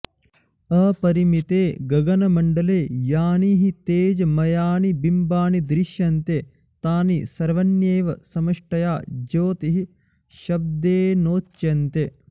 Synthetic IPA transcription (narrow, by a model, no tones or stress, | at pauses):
ɐːpɐɾimit̪eːɡɐɡɐnɐmɐɳɖɐleːjaːniːɦit̪eːd͡ʒɐmɐjaːnibimbaːnid̪ɾiʃjɐnt̪e | t̪aːnisɐɾʋɐnjeːʋɐsɐmɐʂʈɐjaːd͡ʒoːt̪iɦi | ʃɐb̚d̪eːnoːt͡ʃjɐnt̪e